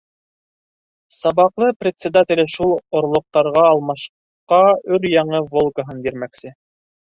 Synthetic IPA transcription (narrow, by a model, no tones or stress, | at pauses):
sɑβɑqlˠɤprʲɪt̪ʲsʲɪd̪atʲɪ̆lɘʃulˠŏɾlˠŏq̚t̪ɑɾʁɑːlˠmɑʃ | qɑɵɾjɑɴɤvolˠɡəɦɤnbiɾmæksɘ